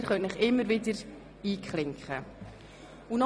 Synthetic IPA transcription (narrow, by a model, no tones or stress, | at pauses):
əɾχœntnɪχɪmːəɾvɪdəɾ | iːkχlɪŋkχə | unɔ